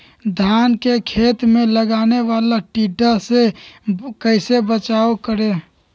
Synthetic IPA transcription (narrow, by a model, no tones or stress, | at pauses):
d̪ʱankekʰet̪meləɡaneʋalaʈiɖəse | kəɪsebət͡ʃaokəɾe